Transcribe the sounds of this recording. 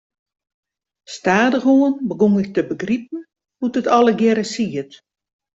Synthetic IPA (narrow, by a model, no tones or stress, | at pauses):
staːdəxuənbəɡuŋɪk̚təbəɡrip̚n | butətʰɔlˠəɡjɛɾəsiət